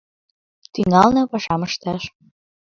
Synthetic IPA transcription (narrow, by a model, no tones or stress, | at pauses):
t̪yŋɑlnɤ̆pɑʃɑməʃt̪ɑʃ